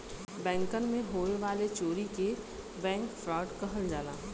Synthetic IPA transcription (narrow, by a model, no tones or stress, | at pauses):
bɛ̃ːŋkənmẽɦoːeʋaːlet͡ʃoːɾike | bɛ̃ːŋkfɾaːɖkɐɦəld͡ʒaːlaː